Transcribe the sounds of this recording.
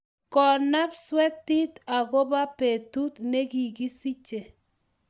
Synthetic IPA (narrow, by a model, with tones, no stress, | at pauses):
kɔ˨na˦pswɛ˦t̪ːi˦t̪a˨ɣɔ˦ba˦pe˨tu˦t̪ne˦ɡi˨ɡi˦si˦t͡ʃe˨